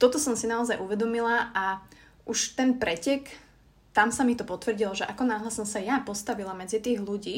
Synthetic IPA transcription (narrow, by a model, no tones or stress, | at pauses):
t̪ɔt̪ɔsɔmsinaɔzajʔuʋɛd̪ɔmilaʔa | ʔuʃt̪ɛnpɾɛcɛk | t̪amsamit̪ɔpɔt̪ʋr̩ɟilɔʒɛʔakɔnaːɦlasɔmsajapɔst̪aʋilamɛd͡zit̪iːɣluɟiː